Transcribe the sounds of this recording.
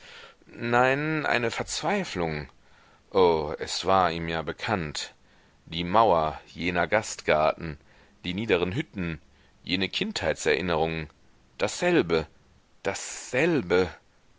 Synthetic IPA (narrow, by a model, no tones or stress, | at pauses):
naɪnʔa̰ɪnəfɛɐt͡sv̥aɪflʊŋ | ʔoːɛsv̥aːɐʔiːmjaːbəkʰant | d̥iːmaʊɐjeːnɐɡastɡ̥aɐtn̩ | d̥iːniːdəʁ̞ənɦʏtn̩ | jeːnəkʰɪnthaɪtsɛ̰ɐʔɪnəʁ̞ʊŋən | d̥asz̥ɛlbə | d̥asz̥ɛlbə